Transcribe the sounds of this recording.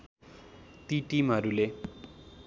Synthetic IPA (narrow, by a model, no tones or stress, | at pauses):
t̪iʈimɦʌɾule